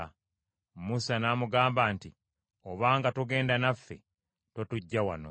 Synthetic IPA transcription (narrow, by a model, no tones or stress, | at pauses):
musanaːmuɡaːmbaːnti | oβaːŋɡatuɡe̞ːndanafːe̞̰ | totuɟːawano̰